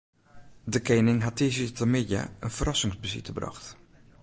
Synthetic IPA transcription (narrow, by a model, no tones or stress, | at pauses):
dəkejnɪŋɦatizitʰəmɪja̰ənfərɑsɪŋzbəzḭtəbrɑ̰xt